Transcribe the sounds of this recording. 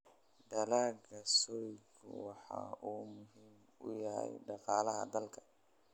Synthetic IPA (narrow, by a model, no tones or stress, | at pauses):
ɖɐlaːɡɐsɔɾkʰʊ̰wɑħɑ̰ːʔuːmʊɦim | ʊ̰jɐɦɛ̰jɖɑqɑːlɐɦɐ̰d̪ɐlkʰɐ̥